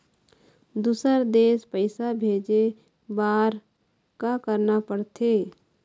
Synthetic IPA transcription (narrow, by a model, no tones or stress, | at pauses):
d̪uːsəɾd̪eːspəɪsabʱeːd͡ʒe | baːɾ | kakəɾnapəɽt̪ʰeː